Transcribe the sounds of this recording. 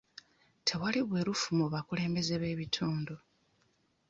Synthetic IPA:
tʰe̞waliβwe̞ːɾufumuβakule̞ːmbe̞ze̞βe̞ːβitʰuːndo

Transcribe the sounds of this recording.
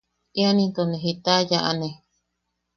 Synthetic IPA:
ianĩnt̪oneɦit̪ajaʔa̰ne

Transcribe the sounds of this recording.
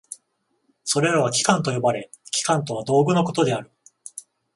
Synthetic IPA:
so̞ɾe̞ɾaβ̞akʲi̥kãnt̪o̞jo̞baɾe̞ | kʲi̥kãnt̪o̞β̞ad̪o̞ːɡɯ̟no̞ko̞t̪o̞d̪e̞aɾɯ̟

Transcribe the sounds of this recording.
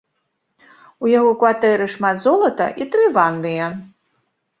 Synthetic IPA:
ujaɣɔkvat̪ɛɾɨʂmat̪zɔlˠɐt̪ɐ̰ʔit̪ɾɨvanːɨjɐ

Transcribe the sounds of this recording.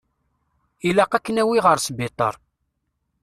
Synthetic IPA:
ilæqækːənæwiʁəɾsbit̪ˤə̰ɾˤ

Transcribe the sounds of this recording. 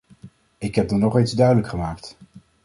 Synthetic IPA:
ɪkɦɛp̚dɑnɔχejnzdœɥdələkχəmaːkt

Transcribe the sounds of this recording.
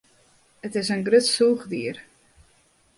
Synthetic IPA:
ətɪsənɡrøtsuːχdiːər

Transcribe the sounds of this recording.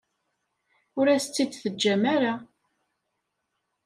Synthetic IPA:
ʊɾæst͡sːid̪θəd͡ʒːæmæɾa

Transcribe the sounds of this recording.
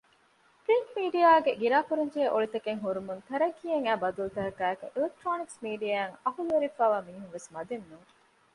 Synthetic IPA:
pɾiŋkmiːɖijaːɡeɡiɾaːfuɾɐɲd͡ʒeːʔoɭit̪ɐkeŋɦuɾumunt̪ɐɾɐɡːiːɐŋæːbɐd̪ulut̪ɐɦɐkæːekṵʔilek̚ʈɾoːniksmiːɖiaːŋɐɦuluʋeɾifaːʋaːmiːɦuŋʋesmɐd̪enːuŋ

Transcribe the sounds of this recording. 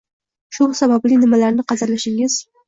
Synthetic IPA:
ʃusabablijnɪmalæɾnɪqɑzɨɾlaʃɪŋɪz̥

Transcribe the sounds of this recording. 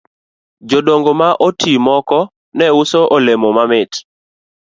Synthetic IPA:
d͡ʒodoŋɡomaʔotimɔkɔ | nɛusoʔolemomamɪt

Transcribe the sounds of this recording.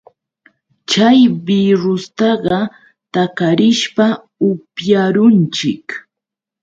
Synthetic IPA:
t͡ʃajbiɾʊst̪ɑɢɑ | t̪akaɾɪʃpa | ʊpjaɾʊnt͡ʃɪk

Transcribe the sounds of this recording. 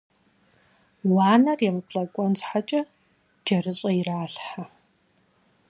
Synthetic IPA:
waːnɐrjɛmɨpʰɬɐkʷʼɔnt͡ɕʼħat͡ʃʼɐ | d͡ʒɐrɨɕʼɐjiraːɬħa

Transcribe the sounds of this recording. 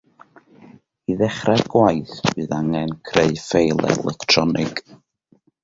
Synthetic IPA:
iðɛχraɡwajθb̥ɨːðaŋɛnkʰreɨfejlˠɛ̰lˠɛktʰrɔnʔɪɡ̥

